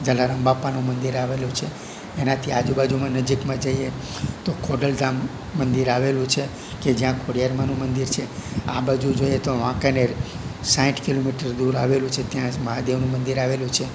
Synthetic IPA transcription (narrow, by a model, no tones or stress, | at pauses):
d͡ʒəlaɾəmbapanũmənd̪iɾaʋelũt͡ʃʰe | enat̪ʰiad͡ʒubad͡ʒumãnəd͡ʒikmãd͡ʒəie | t̪okʰoɖəld̪amː | ənd̪iɾaʋelũt͡ʃʰe | ked͡ʒjãkʰoɽijaɾmanũmənd̪iɾt͡ʃʰea̰bad͡ʒud͡ʒoiet̪oʋãkane | sãʈkilomiʈəɾd̪uɾa̰ʋelũt͡ʃʰet̪jãməɦad̪eʋnũmənd̪iɾaʋelũt͡ʃʰe